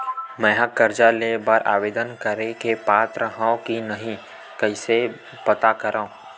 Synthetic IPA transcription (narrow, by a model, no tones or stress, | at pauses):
mɛ̃ːɦakːəɾd͡ʒalebaɾʔa̰ːʋeːd̪ənkəɾekepaːt̪ɾəɦãõkinɐɦĩ | kəɪse | pɐt̪akəɾãõ